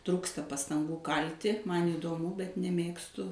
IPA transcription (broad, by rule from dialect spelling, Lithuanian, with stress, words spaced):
ˈtruːkstɐ pɐstɐŋˈɡuː ˈkɐlʲtʲɪ ˈmɐn iːdoːˈmʊ bʲɛt nʲɛˈmʲeːkstʊ